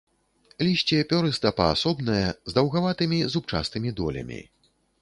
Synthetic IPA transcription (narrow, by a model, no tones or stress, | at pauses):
lʲiɕʲt͡sʲɛpʲɔɾɨst̪ɐpɐa̰sɔbnɐjɛzd̪ɐwɣavat̪ɨmʲizup̚t͡ʂa̰st̪ɨmʲid̪ɔ̰lʲɐ̰mʲḭ